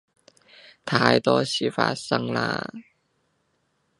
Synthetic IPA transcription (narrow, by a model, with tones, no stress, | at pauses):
t̪ʰaː˧jt̪ɔː˥ɕiː˨˩fa̰ː˧˥t̚sə˧ŋla̰ː˧